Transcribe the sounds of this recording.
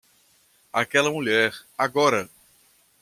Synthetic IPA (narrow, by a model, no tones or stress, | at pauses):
akɛlɐmuʎɛɾaɡɔɾɐ